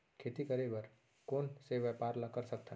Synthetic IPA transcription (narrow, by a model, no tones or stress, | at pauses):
kʰeːt̪ikəɾebəɾ | koːnseʋəpaːɾlakəɾsɐk̚t̪a